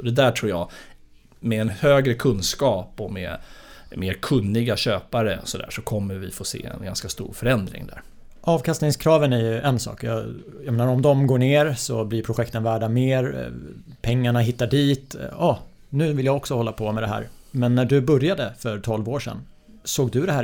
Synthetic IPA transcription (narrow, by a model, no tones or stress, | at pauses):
d̪ɛd̪æʈʰɾuːjɑ̰ː | mɛɛnhøːɡɾəkʰɵnskɑːpɔmɛ̰meːɾkʰɵnːɪɡaɕøːpaɾəɔsɔd̪æ̰ːʂɔkʰɔmːəɾvɪfoːsḛːɛ̰nɡanskast̪ṵːɾfœɾɛnd̪ɾɪ̰ŋd̪æ̰ɾ | ʔɑːvkʰast̪nɪŋskʰɾɑːvənæɾjɵʔɛnsɑ̰ːkjɑː | jameːnaɾɔmd̪ɔmɡoːɳeːɾsɔblɪɾpʰɾʊɧɛkt̪ənvæːɖameːɾ | pʰɛŋːaɳaɦɪt̪ːaɖiːt̪ɑ | nʉ̟ːvɪljaɔksɔhɔlːapʰɔmɛd̪ɛɦæ̰ːɾ | mɛnːæɖɵbɵɾjad̪əfœɾʈ̪ʰɔlvoːʂɛ̰nː | soːɡd̪ɵd̪ɛɦæː